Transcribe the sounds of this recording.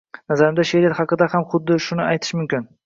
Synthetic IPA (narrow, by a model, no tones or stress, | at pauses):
nazaɾɪmd̪aʃeɾeɾhɑqɨd̪ahamχʊd̪ːɪʃʊnɪajt̪ʰɪ̥ʃmʊmkʲɪn